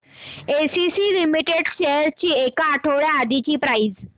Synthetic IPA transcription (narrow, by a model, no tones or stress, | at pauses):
esisilimiʈeɖɕeɦɾt͡ɕiːekaːʈʰəʋɭjaːd̪it͡ɕiːpɾaid͡z